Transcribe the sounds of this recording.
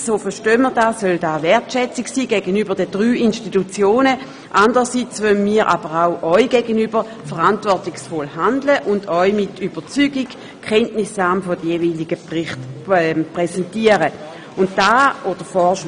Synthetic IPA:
soːfəʁʃtøːmədaːssœldaːvɛɐtʃɛt͡sɪksiːɡɛɡənybəʁdədʁyːinʃtitut͡sjoːnə | ʔandəʁəsit͡svœnmiːɐʁʔa̰b̥əʁaʊʔɔʏɡɛːɡənybəʁ | fəʁantvɔɐtɪksfɔlhandləʔʊndɔʏmɪtyb̥əʁt͡syːɡɪɡ | kʰːɛntnɪsaːmfɔdəjeviːlɪɡ̥əpʁɪχtpʁɛsɛntiəʁə | ʊntd̥aːʔod̥əfɔʃ

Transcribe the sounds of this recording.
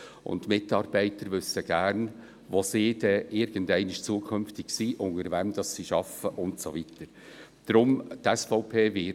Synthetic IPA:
ʔʊ̰ntmɪtɑːɾb̥ɛɪtəɾʋʏsːəɡ̥æɾn | ʋosɪːdɛʔɪɾɡ̥əndɛɪnɪʃt͡suəkʰʏnftɪksiːʔʊŋəɾvɛmd̥̪ɑssiʃɑfəʔʊntsovit̪əɾ | d̥ɾʊmtɛsfɔʊpʰeːvɪ

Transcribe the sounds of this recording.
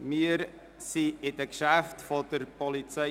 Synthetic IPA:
mɪəɾ | siɪd̥əkʃæftfɔd̥̪əɾpɔlit͡sɛ

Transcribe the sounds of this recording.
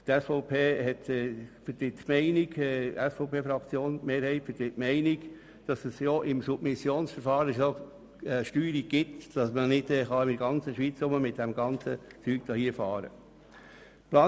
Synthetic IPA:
t̪ɛsfɔʊpʰeːhɛt̪ɛfətɪtmɛɪniɡɛɛsfɔʊpʰeːfɾɑkt͡sjoːnmeːɾhɛɪtfətɪtmɛɪniɡ̥ | d̥ɑsəsjoʔɪmsub̥̚mɪsjoːnsfəɾfɑːɾəso | ɛʃtyːɾiɡ̥ɪtd̥ɑsmənɪdɛχɑɪmdəɾɡɑnt͡səʃʋiːt͡sʊməmɪt̚dæmɡɑnt͡sət͡syːk̚d̥ɑːhiəfɑːɾə̰ | plɑː

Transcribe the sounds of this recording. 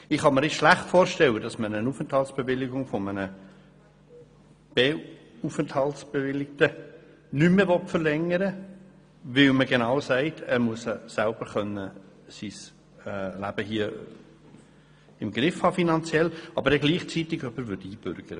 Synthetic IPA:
ɪχhɑməɾɪʃlæχtfoːɾʃtɛlədɑsmənənufənthɑltsb̥evɪlːɪɡʊŋfɔmənə | b̥e | ufənthɑltsb̥evɪlːɪk̚tə | nymːevɔtfəɾlɛŋəɾə | vɪlməɡenɑwsæɪtʰæːɾmuəsəsælb̥əɾχœnːə | sis | ɛlæb̥əhiːə | ɪmɡɾɪfhɑːfinɑnt͡sjɛlɑbəɾdɛɡliːχt͡sitɪɡœpːəɾvʏɾdiːb̥ʏɾɡ̥əɾə

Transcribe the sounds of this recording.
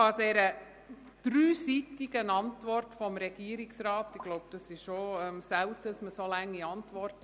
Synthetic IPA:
ɑd̥ɛɾə | d̥ɾyːsitiɡənɑntʋɔrtfɔmɾɛɡ̥iəɾɪksɾɑːtɪɡ̥lɔʊb̚d̥ɑsɪʃʃoœmsæwtəəsməsolæŋːiɑntʋɔrt

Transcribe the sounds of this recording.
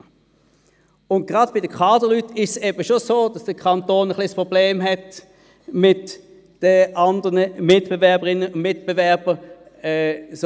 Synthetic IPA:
ʊnt̚ɡ̥ʁɑdb̥ɪdəkʰɑːdəlytɪʃsɛbəʃosoːd̥ɑsd̥əkʰɑntoːnəχliəspʁobleːmɦɛt | mɪt | d̥əʔɑndəʁnəmɪtb̥evɛɐbəʁɪnːəʊnmɪtb̥evɛɐb̥ə | ɛs

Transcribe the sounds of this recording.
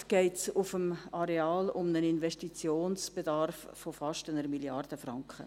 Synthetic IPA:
ɡ̥ɛɪtsʊfəmɑɾeaːlʊmnəninvɛʃtit͡sjoːnsb̥edɑrfːofɑʃtənəɾmiljɑrd̥əfrɑŋkχə̰

